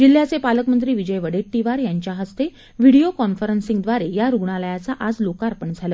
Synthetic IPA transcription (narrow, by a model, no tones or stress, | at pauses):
d͡ʑil̤ːjat͡sepaləkmənt̪ɾiːʋid͡ʑəjʋəɽeʈːiʋaɾjaɲt͡ɕjaɦəst̪e | ʋiɽiokɔnfəɾənsiŋɡd̪ʋaɾejaɾuɡɳaləjat͡saʔad͡zlokaɾpəɳd͡zʱalə